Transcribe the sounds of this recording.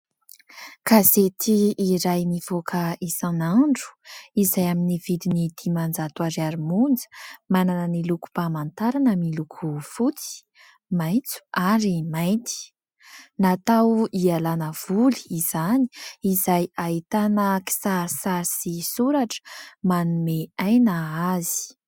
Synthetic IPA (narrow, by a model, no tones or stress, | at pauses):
kazet̪ʰiːɾajnivokʰaisanaɳɖ͡ʐu̥izajaminivid̪inid̪̥imand͡zat̪uaɾaɾimund͡zə̥mananəniluku̥pamant̪aɾanamilukʰufut͡si̥ | majt͡su̥aɾimajt̪i̥ | nat̪awialanəv̥uli̥ːz̥ani̥izajait̪anəki̥saɾsaɾisisuɾaʈ͡ʂə̥manumeajnəazi̥